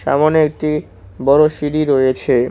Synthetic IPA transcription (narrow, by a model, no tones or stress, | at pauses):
ʃa̰moneek̚ʈi | bɔɾoʃiɾiɾoet͡ɕʰe